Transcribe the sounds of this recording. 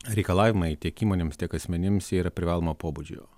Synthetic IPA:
ɾʲɛɪkɐlˠɑːʋʲɪmɐɪt̪ʲiɛkiːmoːnʲeːmst̪ʲiɛkɐsʲmʲɛnʲɪmsiːɾɐpʲɾʲɪʋɑːlˠomopoːbud͡ʒʲʊjo̰

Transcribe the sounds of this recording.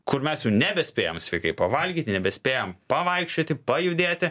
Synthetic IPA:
kʊɾmʲɛsjɛʊnʲɛbʲɛsʲpʲeːjomsʲʋʲɛɪkɐɪpɐʋɐlʲɡʲiːt̪ʲnʲɛbʲɛsʲpʲeːjompɐʋɐɪkʃʲt͡ʃʲoːt̪ʲɪpɐjʊd̪ʲeːt̪ʲɪ

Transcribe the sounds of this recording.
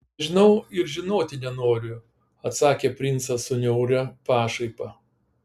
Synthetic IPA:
ʒʲɪnɐʊɪɾʒʲɪnoːt̪ʲɪnʲɛnoːɾʲʊ | ɐt̪sɑːkʲeːpʲɾʲɪnt̪sɐsʊnʲɛʊɾʲɛpɑːʃɐɪpɐ

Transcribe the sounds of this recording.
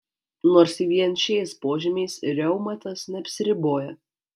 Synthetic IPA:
noːɾsiːʋʲiɛnʲʃʲɛɪspoːʒʲɪmʲɛɪsɾʲɛʊmɐt̪ɐsnʲɛɐpʲsʲɪɾʲɪboːjɛ

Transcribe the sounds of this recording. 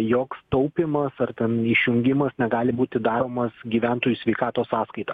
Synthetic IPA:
joːkst̪ɐʊpʲɪmɐsɐrt̪ʲɛniʃʲjʊŋʲɡʲɪmɐsnʲɛɡɑːlʲɪbuːt̪ʲɪd̪ɑːɾoːmɐsɡʲiːʋʲæˑnt̪oːjuːsʲʋʲɛɪkɑːt̪oːssɑːskɐɪt̪ɑ

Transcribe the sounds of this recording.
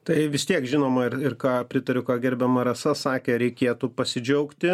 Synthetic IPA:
t̪ɐɪʋʲɪst̪ʲiɛkʒʲɪnoːmɐɪrɪrkɑːpʲɾʲɪt̪ɐɾʲʊkaːɡʲɛɾʲbʲɛmɐɾɐsɐsɑːkʲɛɾʲɛɪkʲeːt̪upɐsʲɪd͡ʒʲɛʊkt̪ʲɪ

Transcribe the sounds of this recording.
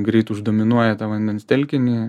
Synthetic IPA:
ɡɾʲɛɪt̪ʊʒd̪oːmʲɪnuɔjɛt̪ɑːʋɐnʲd̪ʲɛnst̪ʲɛlʲkʲɪnʲi

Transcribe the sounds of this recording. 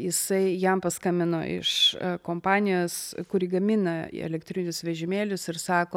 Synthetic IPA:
jɪsɐɪjɛmpɐskɐmʲɪno̰ːʔɪ̰ʃkoːmpɑːnʲɪjoːskʊɾʲiɡɐmʲɪnɐɛ̰lʲɛkt̪ʲɾʲɪnʲʊsʋʲɛʒʲɪmʲeːlʲʊsɪɾsɑːkoː

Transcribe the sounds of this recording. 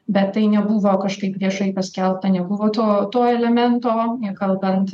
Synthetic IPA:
bʲɛt̪ːɐɪnʲɛbʊʋoːkɐʃkɐɪpʋʲiɛʃɐɪpɐsʲkʲɛlˠp̚t̪ɐnʲɛbʊʋoːt̪oːt̪oːɛlʲɛmʲɛnt̪oːɪkɐlˠbɐnt̪

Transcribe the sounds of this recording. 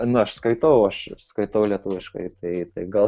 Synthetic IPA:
nʊɐʃskɐɪt̪oːʋɐʊɐʃskɐɪt̪oːʊlʲiɛt̪uːʋʲɪʃkɐ̰ɪt̪ɐɪt̪ɐɪɡɐlˠ

